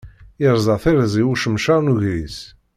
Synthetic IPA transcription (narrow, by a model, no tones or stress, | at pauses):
əɾˤzˤɑθiɾzˤiwuʃəmʃɑɾˤnuʝɾis